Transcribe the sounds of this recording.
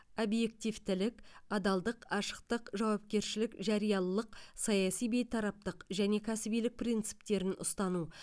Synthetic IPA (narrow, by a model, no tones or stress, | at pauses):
obje̞k̚t̪ivt̪ɪlɪkɑd̪ɑlˠd̪əqɑʃə̥q̚t̪əqʒɑwɑp̚kʲe̞ɾʃɪlɪkʒɑɾijɑlˠəqsɑjɑsijbe̞jt̪ʰɑɾɑp̚t̪əqʒæne̞kʲʰæsɪbijlɪk̚prijnt̪sɨ̥p̚t̪e̞ɾɪnʊ̰st̪ɑnu